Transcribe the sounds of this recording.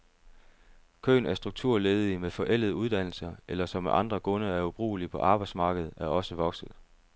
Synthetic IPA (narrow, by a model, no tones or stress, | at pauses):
kʰø̰ːnæɐsd̥ʁuɡ̥̚t͡sʰuɐ̰leːðˠimefɒ̽ʔel̰ð̩ˠuðˠd̥æn̰l̩sɐʔelɐsɒ̽meʔɑ̈nd̥ʁɐkʰɔ̽nəæɐub̥ʁṵːlipʰɒ̽ʔɑ̈ːb̥ɑ̈ɪd̥smɑ̈ːɡ̥əð̞̩ˠæɐɒ̽səʋɒ̽ɡ̥sð̩ˠ